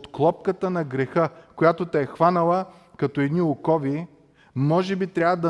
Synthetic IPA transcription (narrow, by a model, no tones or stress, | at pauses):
t̪klˠɔp̚kət̪ənɐɡɾɛxəkojat̪ot̪ɛɛxvanɐlˠə | kɐt̪oɛd̪niʊkɔvi | mɔʒɛbit̪ɾʲavəd̪ɐ